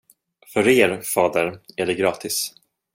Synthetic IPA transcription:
fœɾeːɾfɑːd̪əɾæɖɛɡɾɑːt̪ʰɪs

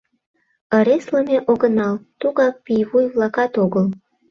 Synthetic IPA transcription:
əɾesləmeʔoɣənɑlt̪uɣɑk̚pijβujβlɑkɑt̪oɣəl

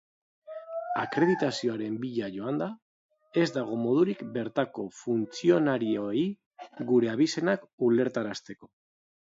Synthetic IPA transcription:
akɾe̞ð̞it̪asio̞aɾe̞mbiʎaʝo̞and̪a | e̞zd̪aɣ̞o̞mo̞ð̞uɾikbe̞ɾt̪ako̞funt͡sio̞naɾioi | ɡuɾe̞aβise̞nakule̞ɾt̪aɾast̪e̞ko̞̥

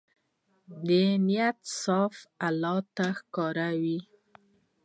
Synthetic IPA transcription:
d̪ənijat̪sɑfalɑt̪axkɑɾawi

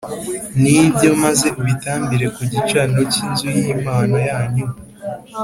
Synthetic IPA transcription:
nibjo̞maze̞ʔuβitaːmbiɾe̞kuɟit͡ʃano̞ciːnzujimaːnojaːɲu

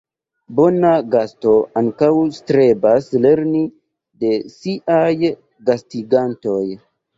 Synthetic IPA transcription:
bo̞naɡasto̞aŋkawstɾe̞basle̞ɾni | de̞siʔaj | ɡastiɡanto̞j

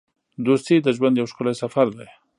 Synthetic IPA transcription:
d̪ost̪id̪əʒwand̪jawʃkʊlajsafaɾd̪aj

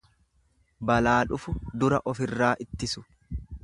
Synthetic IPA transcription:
bɐlaːᶑʊfʊd̪ʊɾɐ̰ʔɔfɪrːaːʔɪt̪ːɪsʊ̥

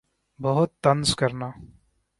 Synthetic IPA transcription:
bɐɦʊt̪ːɐnskɐɾnaː

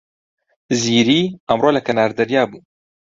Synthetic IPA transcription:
ziːɾiːəmroːlɐkʰɐnaːɾd̪ɐɾjaːbuː

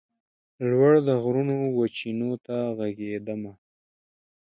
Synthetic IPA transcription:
lwaɽd̪əɣɾunowat͡ʃinot̪aɣaɡed̪əma

